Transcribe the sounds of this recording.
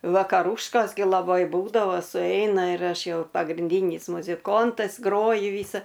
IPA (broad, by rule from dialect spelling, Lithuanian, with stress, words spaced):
ʋɐkɐˈruːʃkoːs ɡʲɪ lˠɐˈbɐɪ ˈbuːdɐʋoː sʊˈɛɪnɐ ɪr ˈɐʃ ˈjɛʊ pɐɡrʲɪnʲˈdʲiːnʲɪs mʊzʲɪˈkoːntɐs ˈɡroːjʊ ˈʋʲiːsɐ